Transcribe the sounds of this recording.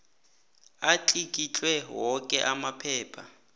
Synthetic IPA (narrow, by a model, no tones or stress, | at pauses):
at͡ɬʰikʼit͡ɬʼwɛɦwɔkʼɛʔamapʰɛːpʰa